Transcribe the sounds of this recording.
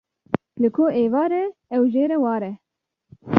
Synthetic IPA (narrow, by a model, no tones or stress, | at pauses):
lɨkʰoːʔeːvɑːɾɛɛwʒeːɾɛwɑːɾɛ